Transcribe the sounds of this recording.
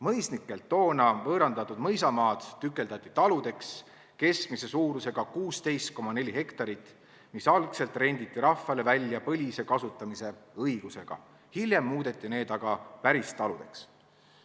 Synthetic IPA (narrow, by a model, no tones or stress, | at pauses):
mɤjsnikːˑe̞lt̪ːo̞ːnɑvɤːɾɑnd̪̥ɑt̪ːˑud̪mɤjsɑmɑːd̪̥ːykːˑe̞ld̪ɑt̪ʲːˑit̪ɑlud̪̥e̞ks | ke̞skmise̞suːɾuse̞ɡ̥ɑkuːst̪e̞jst̪̚ko̞mɑne̞lʲihe̞kt̪ɑɾit̪ːˑ | misɑlkse̞lt̪ːˑre̞nʲd̪it̪ːiɾɑfːɑle̞vælʲːjɑpɤlʲise̞kɑsut̪ːˑɑmise̞ɤjɡ̥use̞ɡ̥ɑ̰ | hilʲje̞mːuːd̪̥e̞t̪ːˑine̞ːd̪̥ɑɡ̥ɑpæɾist̪ɑlud̪e̞ks